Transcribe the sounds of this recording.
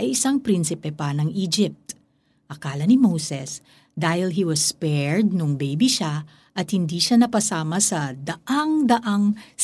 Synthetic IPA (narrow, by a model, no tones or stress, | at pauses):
ʔɐjʔɪsaŋpɾinsɪpɛpɐnɐŋʔiːd͡ʒɪp̚t̪ | ʔɐkaːlɐnɪmowsɛs | d̪aːhɪlɦiwɐspɛɹd̪̚nʊŋbejbiʃa | ʔɐt̪̚hɪnd̪iːʃanɐpɐsaːmɐsɐd̪ɐʔaŋd̪ɐʔaŋ